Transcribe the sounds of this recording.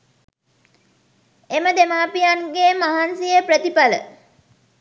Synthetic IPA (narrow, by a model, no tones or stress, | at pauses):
eməd̪emaːpijanɡemaɦansijəprət̪ipalə̰